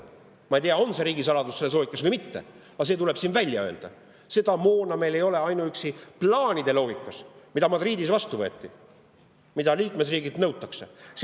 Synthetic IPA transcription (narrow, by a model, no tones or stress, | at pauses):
mɑejt̪eɑo̞nse̞ɾiːɡisɑlɑd̪usːe̞lːeloːɡikːˑɑsvɤjmit̪ːe̞̰ | ɑs̬e̞ːt̪ule̞b̥siːnvælʲːjɑø̞ːld̪̥ɑ̰ | se̞d̪ɑmoːnɑme̞jle̞jo̞le̞ɑjnuyksiplɑːnʲid̪̥e̞lo̞ːɡikːˑɑsmid̪ɑmɑd̪riːd̪isvɑst̪uvɤ̞ːt̪ːˑi | mid̪ɑliːkme̞sriːɡid̪nɤwt̪ːˑɑkse̞